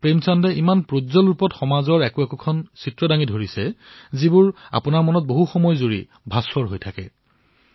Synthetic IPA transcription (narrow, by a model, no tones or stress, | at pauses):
pɹemsandɛʔimanpɹozɔlɹupɔtxɔmazɔɹɛkuɛkukʰɔnsitɹɔdaŋidʱoɹisɛzibʊɹa̰pʊnaɹmɔnɔt̚boɦuxɔmɔjzoɹḭ | bʱasɔɹɦojtʰakɛ̰